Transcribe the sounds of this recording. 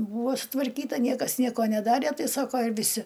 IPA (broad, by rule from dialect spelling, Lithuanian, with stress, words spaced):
ˈbuːʋoː sʊtʋɐrʲˈkʲiːtɐ ˈnʲiɛkɐs ˈnʲiɛkoː nʲɛˈdɑːrʲeː ˈtɐɪ ˈsɑːkoː ɪr ʋʲɪˈsʲɪ